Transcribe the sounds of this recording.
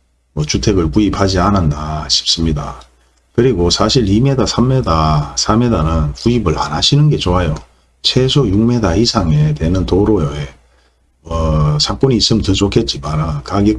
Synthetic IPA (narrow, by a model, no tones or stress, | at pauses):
mʌt͡ɕutʰe̞ɡɯɭpuipad͡ʑianandaɕʰi̥p̚s͈ɯmɲida | kɯɾiɡosʰaɕʰiɾime̞dasʰamːe̞dasʰame̞danɯnpuibɯɭa̰naɕʰinɯnɡe̞t͡ɕoajo | t͡ɕʰe̞sʰojuŋme̞daisʰaŋetwe̞nɯntoɾojoje | mʌsʰak͈oɲiːs͈ɯmntɯd͡ʑokʰe̞t̚t͡ɕ͈imanakaɡje